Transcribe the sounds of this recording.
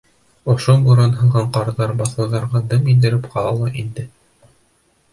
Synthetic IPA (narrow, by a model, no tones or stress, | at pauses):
ŏʃobuɾɑnɦɤ̆ɴɢɑɴqɑɾðɑɾbɑθɑ̆wðɑɾʁɑd̪ɤmind̪ɘ̆ɾɘpqɑlˠɑlˠɑʔind̪ɘ